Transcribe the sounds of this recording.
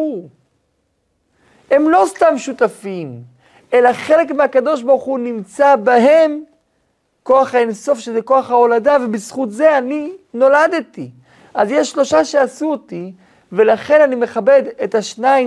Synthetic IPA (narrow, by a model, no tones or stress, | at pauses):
he̞mlo̞st̪amʃut̪afim | e̞laχe̞le̞kmeakado̞ʃ̬baʁχunimt͡sabaɦe̞m | ko̞aχhaenso̞fʃezeko̞aχaoladavebisχutzeanino̞lad̪eti | ʔazjeʃːlo̞ʃaʃeasuoti | ve̞laχe̞nanime̞χabe̞detaʃnai